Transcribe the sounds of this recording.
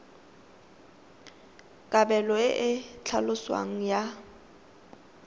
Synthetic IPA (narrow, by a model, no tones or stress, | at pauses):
kʼabɛlɔɪʔɪt͡ɬʰalʊswa̰ŋ̩ja